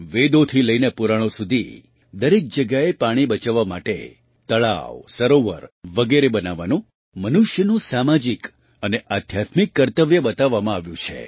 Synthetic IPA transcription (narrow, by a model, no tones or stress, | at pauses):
ʋed̪ot̪ʰiləinepuɾaɽ̃õsud̪ʱi | d̪əɾek̚d͡ʒəɡjaepaɽ̃ibət͡ʃaʋːamaʈḛ | t̪əɭa̰ʋsəɾoʋə̰ɾʋəɡeɾebənaʋanũ | mənuʃjənũsamad͡ʒik | əneʔad̪ʱjat̪mikːəɾt̪əʋjəbət̪aʋːamãaʋjũt͡ʃʰḛ